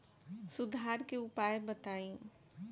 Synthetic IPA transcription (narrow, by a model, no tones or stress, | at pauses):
sʊd̪ʱaːɾkeʊpaːjbɐt̪aːĩ